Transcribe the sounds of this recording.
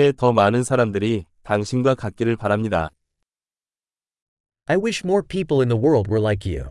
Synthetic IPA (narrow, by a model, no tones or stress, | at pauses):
etʌmanɯnsʰaɾamdɯɾitaŋɕʰinɡwakak̚k͈iɾɯɭpaɾɦamɲida̰ | ʔaɪwɪʃmɔɹpʰipl̩ˠɪ̃nðəwɜ˞lˠd̚wə˞laɪkjʉ̰